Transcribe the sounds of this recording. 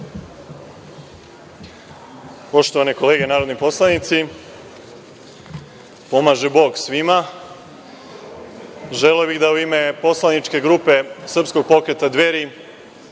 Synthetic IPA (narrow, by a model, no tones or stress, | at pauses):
po̞ʃt̪o̞ʋaneko̞le̞ɡenaːɾo̞d̪nipo̞slˠanit̪si | po̞maːʒe̞bo̞ːɡsʋima | ʒeleobiɣd̪auime̞po̞slanit͡ʃke̞ɡɾuːpe̞sr̩psko̞ɡ̚po̞kɾe̞t̪ad̪ʋeɾi